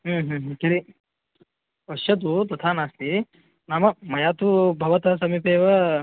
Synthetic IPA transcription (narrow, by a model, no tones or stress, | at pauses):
ɦəɦə̃ːɦkɐɾi | ɐʃjɐt̪̬ut̪ɐt̪ʰaːnaːst̪i | naːmɐmɐjaːt̪ubʱɐʋɐt̪ɐsɐmipeːʋɐ